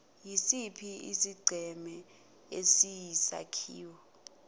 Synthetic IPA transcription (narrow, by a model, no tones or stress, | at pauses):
jisipʰiḭsiɡ͡ǀʱɛmɛ | esijisa̰kʰḭːwɔ